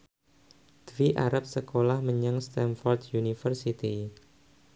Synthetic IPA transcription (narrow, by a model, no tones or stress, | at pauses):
d̪̥viʔaɾap̚səkolahməɲaŋst̪ɛnfɔrt̪junifərsit̪i